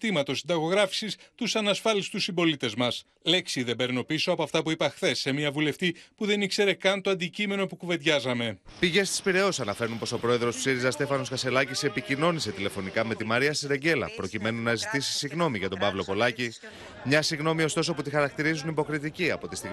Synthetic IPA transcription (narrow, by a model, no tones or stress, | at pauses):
t̪imɐt̪o̞sind̪ɐɣo̞ɣɾɐfi̥sist̪usɐnɐsfɐlist̪usimbo̞lit̪e̞zmɐs | le̞ksiðe̞beɾno̞pisoɐpoɐft̪ɐpuipɐxθe̞sːe̞miɐvule̞ft̪ipuðe̞nikse̞ɾe̞kɐnt̪o̞ɐnd̪icime̞no̞pukuve̞ðʝɐzɐme̞piʝest̪i̥spiɾe̞osɐnɐfe̞ɾnumpo̞so̞pɾo̞e̞ðɾo̞spsiɾizɐst̪e̞fɐno̞skɐse̞lɐcisepicino̞nise̞t̪ile̞fo̞nikɐme̞t̪imɐɾiɐst̪iɾe̞ɲɟe̞lɐ̰pɾo̞cime̞nunɐzit̪isi̥siɣno̞miʝɐt̪o̞bɐvlo̞po̞lɐci | mɲɐsiɣno̞mio̞st̪o̞s̬o̞put̪ixɐɾɐk̚t̪iɾizunibo̞kɾit̪iciɐpo̞t̪ist̪iɣ